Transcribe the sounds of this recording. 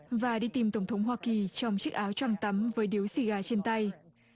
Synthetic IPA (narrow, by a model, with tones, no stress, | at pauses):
vaː˨˩ɗi˧t̪i˨˩mt̪ə˧˩wŋ͡mt̪ʰə˨˦wŋ͡mɦwaː˧ki˨˩t͡ɕɔ˧wŋ͡mt͡ɕɨ˦˥k̚ʔaː˨˦wt͡ɕwɔ˧˩mt̪ə˨˦mvəː˨˦jɗi˨˦əwsi˧˩ɣaː˧˩t͡ɕe˧nt̪ə˧j